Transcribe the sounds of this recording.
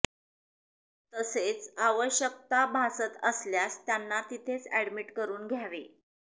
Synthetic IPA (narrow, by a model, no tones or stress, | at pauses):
t̪əset͡saʋəɕjək̚t̪abʱasət̪əsljast̪janːat̪it̪ʰet͡sæɽmiʈkəɾuːnɡʱjaʋe